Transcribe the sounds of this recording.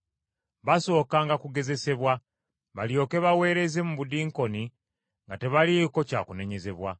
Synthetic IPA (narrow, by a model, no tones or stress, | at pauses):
βaso̞ːkaːŋɡakuɡe̞ze̞se̞βwa | βaljo̞ːke̞βawe̞ːɾe̞ze̞muβudiːŋko̞ni | ŋɡate̞βaliko̞ca̰ːkune̞ɲe̞ze̞βwa